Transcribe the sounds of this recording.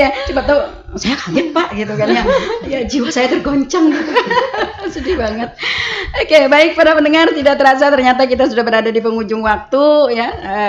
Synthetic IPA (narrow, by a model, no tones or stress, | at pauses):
jat͡ʃubat̪a | sajakaŋɪt̪̚paʔɡit̪ukanɲajad͡ʒiwasajat̪ərɡoɲt͡ʃaŋ | sudibaŋət̪̚okebaɪk̚paɾapənəŋart̪idat̪əɾas̬at̪ərɲat̪̬ak̬it̪̬asudahbəɾadadipəŋud͡ʒʊŋwak̚t̪ujaə